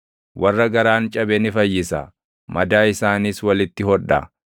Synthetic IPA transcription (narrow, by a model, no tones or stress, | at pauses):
wɐrːɐɡɐɾaːnt͡ʃʼɐbɛnɪfɐjːɪsɐ̰ | mɐd̪aːɪsaːniːswɐlɪt̪ːɪhɔᶑɐ̰